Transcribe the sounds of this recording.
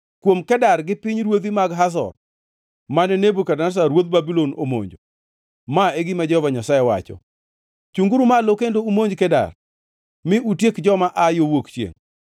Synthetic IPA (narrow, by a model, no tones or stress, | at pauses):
kwomkɛdarɡɪpɪɲɾwod̪imaɡɦas̬ɔ̰r | manɛnebukadanas̬aɾwot̪̚babilono̰mo̰ɲd͡ʒo | maeɡɪmad͡ʒɔhɔvaɲasajɛwa̰t͡ʃɔ̰ | t͡ʃuŋɡuɾumalokendoumoɲd͡ʒkɛda̰r | mɪʔutjekd͡ʒɔmaʔajowokt͡ʃjḛŋ